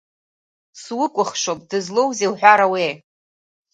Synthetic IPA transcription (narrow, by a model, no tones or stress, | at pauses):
swʊkʷʼʊχʂopʼd̥ɨzlo̞wzewħᶣʷaɾawe